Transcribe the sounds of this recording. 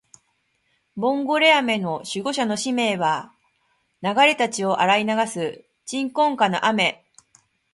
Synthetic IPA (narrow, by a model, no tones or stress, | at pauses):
bõ̞ŋɡo̞ɾe̞ame̞no̞ɕɨɡo̞ɕano̞ɕime̞ːβa | naɡaɾe̞t̪at͡ɕio̞ʔaɾainaɡasɨ | t͡ɕĩŋkõ̞ŋkano̞̰ʔame̞